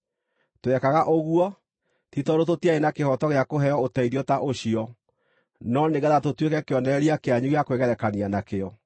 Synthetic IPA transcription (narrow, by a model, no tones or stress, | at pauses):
toɛkaɣaʔoɣuɔ | titɔɾototiaenakehɔtɔɣeakoɦɛɔotaiðiɔtaʔoɕiɔ | nɔneɣaðatotwekɛkeɔnɛɛɾiakeaɲuɣeakoweɣɛɾɛkanianakeɔ